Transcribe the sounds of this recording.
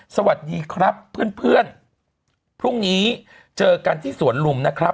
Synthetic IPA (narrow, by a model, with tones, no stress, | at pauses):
sa˧wa˨˩t̪̚diː˧kʰɾa˦˥pʰːɯ˥˩ənpʰɯ˥˩ən | pʰɾu˥˩ŋniː˦˥ | t͡ɕɤː˧ka˧nt̪ʰiː˥˩su˨˩˦ənlu˧mna˦˥kʰɾa˦˥